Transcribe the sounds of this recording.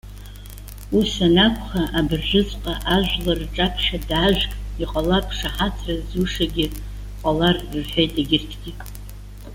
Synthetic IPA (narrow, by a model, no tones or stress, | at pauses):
usanakʷʰʼχaʔabɨrʒʷɨt͡sʼqʼaʔaʒʷᶣlarʈ͡ʂʼapʰʂadaʒʷᶣkʼiqʼalapʰʂaħat͡sʰrazuʂaɡʲɪ | qʷʼalarɨrħʷᶣejtʼaɡʲɪrtʰɡʲi